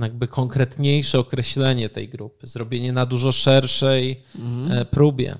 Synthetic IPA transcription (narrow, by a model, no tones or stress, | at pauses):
jaɡ̚bɘkʰɔŋkɾɛt̪ɲejʂɛɔkɾɛɕlɛɲɛt̪ɛ̰jɡɾupɘzɾɔbʲjeɲɛnad̪uʐɔʂɛɾʂɛj | pɾubʲjɛ̰